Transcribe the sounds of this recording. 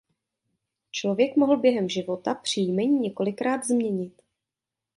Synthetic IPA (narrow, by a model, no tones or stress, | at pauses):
t͡ʃlo̞vjɛkmo̞ɦl̩bjɛɦɛmʒɪvo̞t̪apr̝̥ijmɛɲiːɲɛko̞lɪkɾaːd̪zmɲɛɲɪt̪